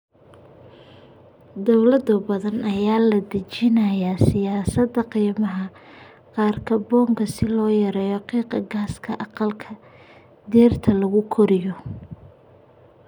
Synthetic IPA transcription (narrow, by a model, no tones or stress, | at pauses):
d̪ɔwlɐd̪ʊbɐðɐnʔɐjaːlɐd̪ɐt͡ʃɪnɐjaːsɪjaːsɐd̪ɐqiːmɐɦɐ | qɑːrkʰɐbɔːŋkʰɐsɪlɔːjɐɾɛːjɔqiːqɐɡaːskʰɐʔɑqɑlkʰɐ | d̪ɛːrt̪ʰɐlɐɣʊkʰɔɾɪjɔ